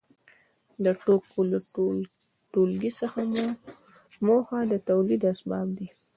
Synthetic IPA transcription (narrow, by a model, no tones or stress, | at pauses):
d̪əʈokola | ʈolɡisəxam | moxad̪ət̪awlid̪asbɑb̚d̪i